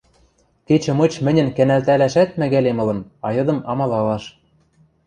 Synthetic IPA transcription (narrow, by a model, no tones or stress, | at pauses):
ket͡ɕɘ̆mɤ̆t͡ɕmɘ̆nʲɘ̆nkænælt̪ælæʃæt̪̚mæɣælemɤ̆lɤ̆nɑjɤ̆d̪ɤ̆mɑmɑlɑlɑʃ